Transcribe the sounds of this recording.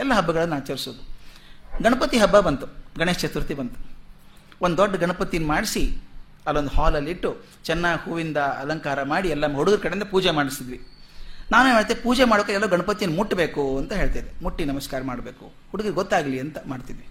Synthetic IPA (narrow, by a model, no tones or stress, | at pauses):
ɛlːɐɦɐbːɐɡɐɭɐnːaːt͡ʃɐɾisoːd̪u | ɡɐɳɐpɐt̪iɦɐbːɐbɐnt̪uɡɐɳest͡ʃet̪uɾut̪ibɐnt̪u̥ | ond̪d̪oɖːɐɡɐɳɐpɐt̪ijnːmaːɽisi | ɐlːond̪uhaːlɐlːiʈːu | t͡ʃɛnːahuːʋind̪ɐɐ̰lɐŋkaːɾɐmaːɽiɛlːɐɦuɽuɡiɾkɐɽeind̪ɐpuːd͡ʒemaːɽisid̪ʋinaːnumeːɭt̪ipuːd͡ʒemaːɽokɐɛlːɐɡɐɳɐpɐt̪ijɐnːmuʈːbe̞ːkuɐnt̪ɐɦeːɭt̪aːjid̪emuʈːinɐmɐskaːɾɐmaːɽbe̞ːkṵ | huɽuɡiɾiɡɔt̪ːaːɡɐliɐnt̪ɐmaːɽt̪id̪ʋi